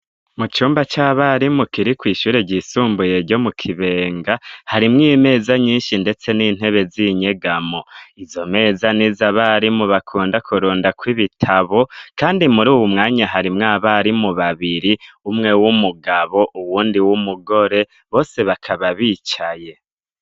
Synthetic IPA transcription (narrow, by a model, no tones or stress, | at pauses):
mut͡ʃuːmbat͡ʃaːβaɾimukiɾikwiːʃuːɾeɟisuːmbuje̞ɾɟo̞mukʰiβe̞ːŋɡahaɾimŋiːme̞ːzaɲiːnʃinde̞t͡se̞niːn̥e̞βe̞ziɲe̞ɡamo̞izo̞me̞ːzaniːzaβaɾimuβakʰuːndakʰuɾoːndakwiβitʰaβo̞kaːndimuɾuːwumŋaːɲaɦaɾimŋaβaɾimuβaβiɾiumŋe̞wumuɡaβo̞ʔuwuːndiwumuɡo̞ɾe̞ | βo̞ːse̞βakʰaβaβiːt͡ʃaje̞